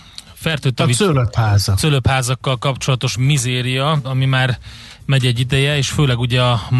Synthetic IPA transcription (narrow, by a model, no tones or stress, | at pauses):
fɛrt̪øːt̪ːɒvisøløphaːzɒsøløphaːzɒkːɒlkɒpt͡ʃo̞lɒt̪oʃmizeːɾijɒɒmimaːr | mɛɟɛɟːid̪ɛjɛeːʃføːlɛɡuɟɛɒm